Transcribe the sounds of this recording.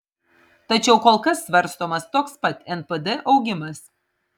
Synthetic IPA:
t̪ɐt͡ʃʲɛʊkoːlˠkɐsːʲʋɐɾʲˑst̪oːmɐst̪oːkspɐt̪ʲɛnpɛd̪ɛʔɒʊɡʲɪmɐs

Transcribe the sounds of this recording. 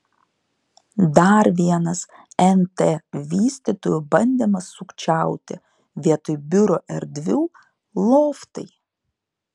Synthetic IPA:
d̪ɐɾʋʲiɛnɐs | ɛnt̪eʋʲiːsʲt̪ʲit̪oːjubɐnʲd̪ʲɛmɐsʊkt͡ʃʲæˑʊt̪ʲɪ̰ | ʋʲiɛt̪ʊjbʲʊɾoʔɛɾʲd̪ʲʋʲuː | lˠoːft̪ɐɪ

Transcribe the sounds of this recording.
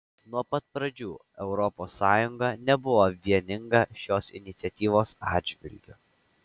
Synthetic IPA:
nuɔpɐt̪̚pɾɐd͡ʒʲuː | ɛʊɾɔpoːsːɑːjʊŋɡɐnʲɛbʊʋoːʋʲiɛnʲɪŋɡɐʃʲoːsɪ̰nʲɪt̪sʲɛt̪ʲiːʋoːsɑːd̪ʲd͡ʒʲʋʲɪ̰lʲɡʲʊ

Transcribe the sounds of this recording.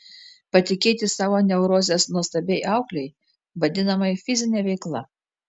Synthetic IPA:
pɐt̪ʲɪkʲeːt̪ʲɪsɑːʋoːnʲɛʊɾoːzʲeːsnuɔst̪ɐbʲɛɪʔɑˑʊklʲɛɪ | ʋɐd̪ʲɪnɐmɐɪfʲɪzʲɪnʲɛːʋʲɛɪklˠɐ

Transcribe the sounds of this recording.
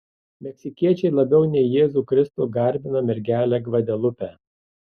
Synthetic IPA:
mʲɛksʲɪkʲiɛt͡ʃʲɛɪlˠɐbʲɛʊnʲɛɪjeːzuːˑkɾʲɪst̪uːˑɡɐɾʲbʲɪnɐmʲɛɾʲɡʲæːlʲæɡʋɐd̪ʲɛlˠʊpʲæː

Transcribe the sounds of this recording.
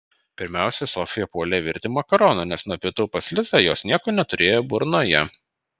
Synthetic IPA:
pʲɪɾʲmʲæˑʊsʲɛsɔfʲɪjɛpuɔlʲɛʋʲɪɾʲt̪ʲɪmɐkɐɾoːnoːnʲɛsnuɔpʲɪt̪ʊpɐsʲlʲɪzɐjoːsnʲiɛkoːnʲɛt̪ʊɾʲeːjobʊɾnoːjɛ

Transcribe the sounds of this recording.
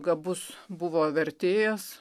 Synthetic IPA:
ɡɐbʊsbʊʋoːʋʲɛɾʲt̪ʲeːjɛs

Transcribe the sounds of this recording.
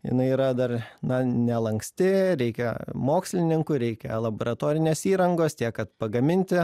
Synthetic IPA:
jɪ̰nɐɪiːɾɐd̪ɐrnɐnʲɛlˠɐŋksʲt̪ʲɪɾʲɛɪkʲɛmoːksʲlʲɪnʲɪŋkʊɾʲɛɪkʲɛ̰lˠɐboːɾɐt̪oːɾʲɪnʲeːsiːɾɐŋɡoːst̪ʲiɛk̚kɐt̪pɐɡɐmʲɪnʲt̪ʲɪ

